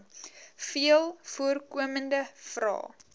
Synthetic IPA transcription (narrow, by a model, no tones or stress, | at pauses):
fiəlˠfuərkuəməndəfrɑ̰ː